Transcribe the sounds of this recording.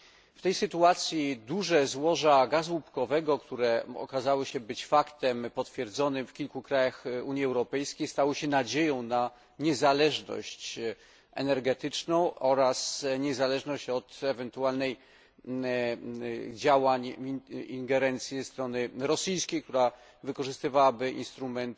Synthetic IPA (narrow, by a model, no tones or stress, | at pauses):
ft̪ɛjsɘt̪uat̪sʲjid̪uʐɛzwɔʐaɡazwupkɔvɛɡɔkt̪uɾɛɔ̰kazawɘɕɛbɘt͡ɕfakt̪ɛmpɔt̪fʲjɛɾd̪zɔnɘmfkʲilkukɾajaxuɲjiɛwɾɔpɛjskʲejst̪awɘɕɛnad͡ʑejɔ̃w̃na | ɲɛzalɛʐnɔ̰ɕt͡ɕ | ɛ̰nɛɾɡɛt̪ɘt͡ʂnɔ̃w̃ɔɾasɲɛzalɛʐnɔɕt͡ɕɔt̪ɛvɛnt̪ualnɛj | d͡ʑawaɲiŋɡɛɾɛnt̪sʲjɛzɛst̪ɾɔnɘɾɔsijskʲejk̚t̪uɾa | vɘkɔʐɘst̪ɘvawabɘʔḭnst̪ɾumɛnt̪